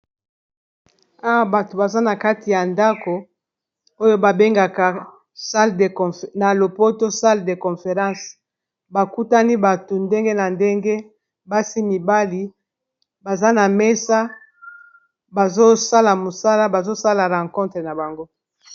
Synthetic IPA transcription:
a˦wa˦ba˨to˨ba˨za˦na˨ka˦ti˨ja˨nda˦ko˨ | o˦jo˦ba˨be˦ŋɡa˨ka˨ | sa˦lde˨kɔ˨fna˨lo˨po˦to˦sa˦lde˨kɔ̃˨fe˨ʁɑ̃˦s | ba˨ku˦ta˦ni˦ba˨to˨nde˦ŋɡe˦na˨nde˦ŋɡe˦ | ba˦si˦mi˨ba˦li˨ | ba˨za˦na˨me˦sa˦ | ba˨zo˦sa˦la˨mo˨sa˦la˦ba˨zo˦sa˦la˨ʁã˨kɔ̃˦tʁe˨na˨ba˨ŋɡo˦

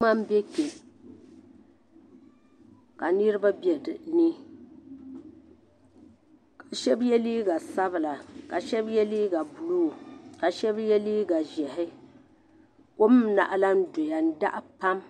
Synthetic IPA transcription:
a˦m˦be˦ke˨ | ka˨nɨ˦ɾɨ˦ba˦bɛ˨dni˦ | ka˨ʃɛ˦bjɛ˦liː˦ɡa˨sa˦bla˨ka˨ʃɛ˦bjɛ˦liː˦ɡa˨bu˨lu˦˨ka˨ʃɛ˦bjɛ˦liː˦ɡa˨ʒɛ˨ɦɪ˦ | ko˦m˦na̰˨ʔa˦la˦n̩˦do˨ja˨n̩˦da˦ʔa˦pa˦m

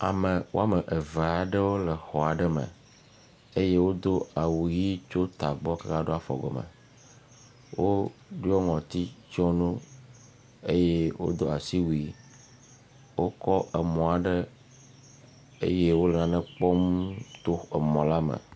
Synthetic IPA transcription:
a̰˨mə˨wo˦a˦mə˨ʔe˨va˨a˨ɖə˦wo˦lə˨xɔ˨a˨ɖə˦mə̰̃˨ | e˦je˦wo˦d̪o˦a˨wu˨ji˦t͡ʃo˦t̪a˨ɡ͡bɔ˦ka˦ka˦ɖo˦a˨fɔ̰˨ɡɔ̰˨mə̰̃˨ | wo˦ɖi˦o˦ŋɔ̃˨t̪i˦t͡ʃɔ˦nũ˦ | e˦je˦wo̰˦d̪o˦a˨si˦wu˨i˦ | wo˦kɔ˦ʔə˨mɔ̃˨a˨ɖə˦ | ḛ˦je˦wo˦lɛ˨nã˨nɛ̃˦k͡pɔ˦mt̪o˦e˨mɔ̃˨la˦mə̰˨

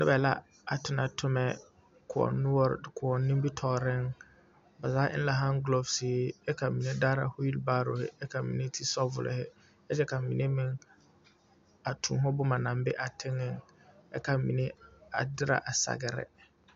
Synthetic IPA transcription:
nɪ˦bɛ˨la̰˦ | a˨tʊ˨na˨tʰʊ˦mɛ˨ | kʰʊ˨ɔ̰˨nʊ˦wɔ˦ɾkʰʊ˨ɔ˨nːĩ˦mbi˦tʰɔː˨ɾɪ˦ŋ | ba˨zaː˦ʔɪ̰˦n˦la˨ɦã˦ŋɡlo˨bsɪː˨˦ɛ˦ka˨mĩ˨ne˦daː˦ɾa̰˨hʊ˦ji˦lbaː˦ɾo̰˨hɪ̰˦ɛ˦ka˨mḭ̃˨ne˦tʰi˦sɔ˦vʊ̰˨lɪ̰˨hɪ˦ | ɛ˦d͡ʒɛ˦ka˨mi˨ne˦mɪ̃˦˨ŋ | a˨tʰṵ̃ː˨ɦɔ˦bʊ˦ma˨nã˨m˦bɛ˦ʔa˨tʰɪ˦ŋːɪ˦ŋ | ɛ˦ka˨mḭ˨ne˦a̰˨dɪ˦ɾa̰˨ʔa˨sa̰˨ɡɪ˨ɾɪ̰˨

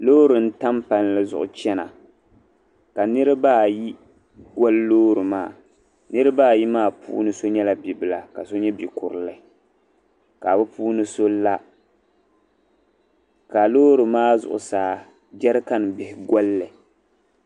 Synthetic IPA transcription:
loː˦ɾɨ˨n̩˦ta˦mpa˨n˦lɨ˨zʊ̰˨ʔʊ̰˨t͡ʃɛ˦na̰˨ | ka˨nɨ˦ɾɨ˦baː˦˨ji˦ | ɡɔ˦lːoː˦ɾɨ˨maː˦˨ | nɨ˦ɾɨ˦baː˦˨ji˦maː˦˨pṵː˦nɨ˦so˦ɲɛ˦la˨bi˨bɨ˨la˨ka˨so˦ɲɛ˦bi˨kʊ˨ɾɨ˨lɨ˨˦ | ka˨bɨ˦pʰuː˦nɨ˦so˦la˦ | ka˨loː˦ɾɨ˨maː˦zʊ̰˨ʔʊ̰˨saː˨˦˨ | d͡ʒɛ˦ɾɨ˦ka˦n˨bɪ˨hɪ˨ɡɔ˦lːɨ˨

